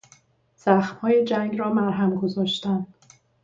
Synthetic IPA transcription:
z̥æxmhɒːjed͡ʒæŋɡɾɒːmæɾɦæmɡozɒːʃt̪ænd̪̥

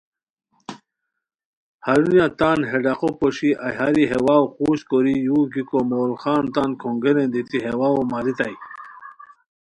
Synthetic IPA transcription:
haɾunjat̪anɦeɖaqopoɕiajɦaɾiɦewawquːɕkoɾijuːɡikomolxaːnt̪ankʰoŋɡeɾend̪it̪iɦewawomaɾit̪aj

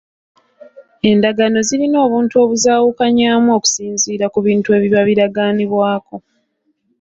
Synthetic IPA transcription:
e̞ndaɡano̞ziɾino̞ːβuːntuo̞ːβuzaːwukaɲaːmuo̞ːku̥siːnziːɾakuβiːntue̞ːβiβaβiɾaɡaːniβwaːko̞

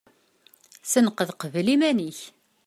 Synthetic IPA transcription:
sənqəðqəvlimæniç

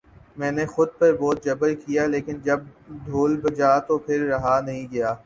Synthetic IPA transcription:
mɛ̃ːnexʊd̪̚pɐɾbɔːt̪̚d͡ʒɐbəlkijaleːkɪnd͡ʒɐb̚d̪ʱoːlbɐd͡ʒaːt̪opʰɪɾːɐɦanɐɦĩɡɐjaː

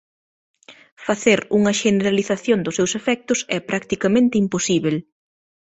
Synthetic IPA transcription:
faθeɾuŋɐʃeneɾaliθaθjond̪ʊsːewsefɛk̚t̪ʊsɛpɾakt̪ikamẽnt̪ɪimposiβel

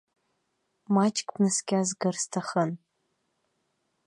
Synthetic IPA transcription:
mat͡ʃʼkʲʼbnɨskʲazɡɨrstʰaχən

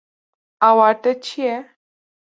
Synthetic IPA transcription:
awaʈət͡ɕʰijɛ

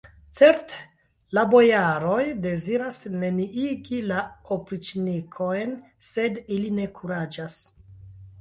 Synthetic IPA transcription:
t͡se̞ɾte̥ | labo̞jaɾo̞jde̞ziɾasne̞niiɡilaopɾit͡ʃnikʰo̞jn | se̞diline̞kʰuɾad͡ʒas

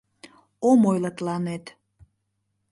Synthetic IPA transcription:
omojlɑt̪lɑnet̪

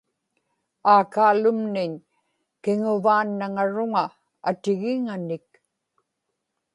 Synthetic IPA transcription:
aːkaːlʊmnɪɲ | kɪŋʊvaːnːaŋaɻʊŋaː | t̪ɪɣɪŋanɪk

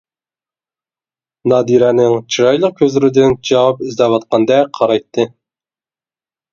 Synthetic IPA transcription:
nɑːd̪iɾɛnɪŋt͡ʃʰiɾɑjlˠəq̚kʲʰøzlɪɾɪd̪ɪnd͡ʒɑwɑp̚ɪzd̪ɛwɑt̪̚qʰɑnd̪ɛqʰɑɾɑjt̪ʰːɨ

